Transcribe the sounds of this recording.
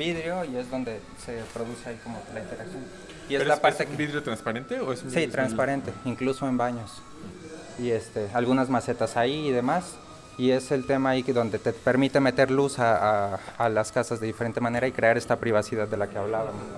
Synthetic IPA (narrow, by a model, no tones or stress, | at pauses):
biðɾeo̞ie̞zðo̞nd̪e̞ | se̞pɾo̞ðuse̞aiko̞molaint̪e̞ɾaksjo̞n | iezlapaɾt̪ebiðɾeot̪ɾanspaɾent̪eoesussit̪ɾanspaɾe̞nt̪e̞iŋkluso̞e̞mbaɲo̞s | ie̞st̪e̞alɣunazmase̞t̪asaiːðe̞mas | ie̞se̞lt̪e̞maiðo̞nd̪e̞t̪epe̞ɾmit̪e̞me̞t̪e̞ɾlusaːlaskasazðe̞ðifeɾe̞nt̪e̞mãne̞ɾaikɾe̞aɾe̞st̪apɾiβ̞asiðaðːe̞lakeaβlaβamos